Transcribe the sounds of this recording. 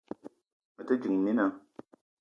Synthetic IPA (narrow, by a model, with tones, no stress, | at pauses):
mə˨tə˦d͡ʒɨ˨ŋmi˦na˨˦